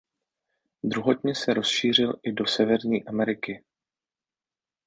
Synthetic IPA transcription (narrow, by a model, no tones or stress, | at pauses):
d̪ɾuɦot̪ɲɛsɛɾo̞sʃiːr̝ɪlʔɪdo̞sɛvɛɾɲiːʔamɛɾɪkɪ